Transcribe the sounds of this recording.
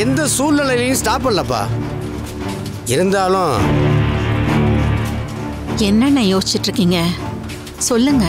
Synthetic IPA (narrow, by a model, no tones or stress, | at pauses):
ɛnd̪ɐsuːlnɐlɐɪʋɐjʊ̃sʈaːpɐɭːɐpːa̰ː | ɪɾɯnd̪aːlʊ̃ | ɛnːɐnːɐjoːsɪt͡ʃːɪʈːɾɯkːiːŋɡɐ | sɔlːɯŋɡɐ